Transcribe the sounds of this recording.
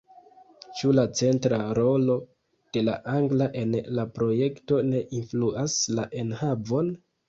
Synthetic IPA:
t͡ʃulat͡se̞ntɾaɾo̞lo̞ | d̥e̞la̰ʔaŋɡlaʔe̞nlapɾo̞je̞kto̞ne̞ʔinfluaslaʔe̞nhavo̞n

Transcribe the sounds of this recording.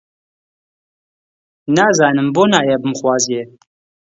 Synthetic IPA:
naːzaːnɨmboːnaːjɛbɨmxwɑːzjeː

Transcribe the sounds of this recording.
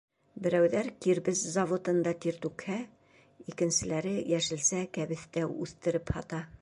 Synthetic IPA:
bɘ̆ɾæwðæɾkiɾbɘzzɐvot̪ɤ̆nd̪ɑt̪iɾt̪ʉkhæ | ikɘ̆nsɘ̆læɾɘjæʃɘ̆lsækæβɘ̆θt̪æʉθt̪ɘ̆ɾɘphɒ̰t̪ɑ

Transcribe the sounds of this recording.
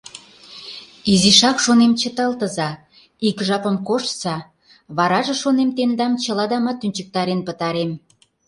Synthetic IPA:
iziʃɑkʃonemt͡ɕət̪ɑlt̪əzɑ | ikʒɑpə̆mkoʃsɑ | βɑɾɑʒĕʃonemt̪end̪ɑmt͡ɕəlɑd̪ɑmɑt̪ːynʲt͡ɕək̚t̪ɑɾenpət̪ɑɾem

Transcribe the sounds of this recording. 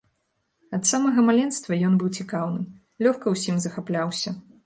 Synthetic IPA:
ɐt̪samɐɣɐmalʲɛnst̪vɐjɔnbɨwt͡sʲikawnɨ | lʲɔxkɐwsʲimzɐxaplʲawsʲɐ

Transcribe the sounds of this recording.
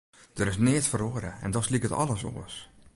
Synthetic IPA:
d̥əɾɪsnɪətfəroəɾə̰ɛ̰ndɔslikətɔ̰lˠəso̰ːəs

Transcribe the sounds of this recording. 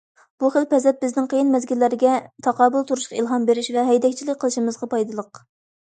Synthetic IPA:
b̥uχəlpɛzɛt̪̚bɪznɪŋqʰəjinmɛzɡʲilːæɾɪɡʲɛt̪ʰɑqɑːbɨlˠt̪ʰuɾuʃqɑilˠɦɑmbeɾɪʃvɛɦɛjd̪ɛkʲt͡ʃʰilɪkʲqʰːəlˠɨʃimɨzʁɑpɑjd̪ɨlˠəq

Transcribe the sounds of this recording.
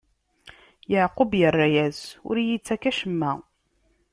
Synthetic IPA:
jəʕqʊbjərˤːajæzʊ̰ɾjit͡sːækæʃəmːæ

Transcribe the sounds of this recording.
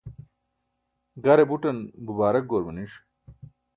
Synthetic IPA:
ɡɐɾebuʈɐnbubaːɾɐk̚ɡoːɾmɐniʂ

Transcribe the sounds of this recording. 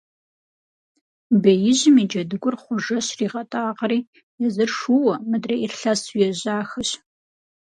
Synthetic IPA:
bejɪʑɪmiːd͡ʒɐdɨɡʷʼʊrχʷʊʒɐɕriːʁɐtʼaːqɾiː | jɛzɨrʂuwɐmɨdreːirɬɐsujɛʑaːxɨɕ

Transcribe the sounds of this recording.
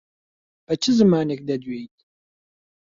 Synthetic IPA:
pɐt͡ʃʰɪzɨmaːnɨkd̪ɐd̪ɥejtʼ

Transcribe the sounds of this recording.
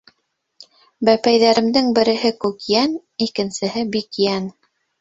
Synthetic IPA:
bæpæjðæɾɘ̆md̪ɘŋbɘ̆ɾɘ̆ɦɘkʉkjæn | ikɘ̆nsɘ̆hɘbikjæn

